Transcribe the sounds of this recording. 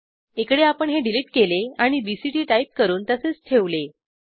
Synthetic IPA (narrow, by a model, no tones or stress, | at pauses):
ekɽeapəɳɦeɖiliːʈkeleaɽ̃ibisiʈiːʈajp̚kəɾuːnt̪əset͡st̪ʰeʋle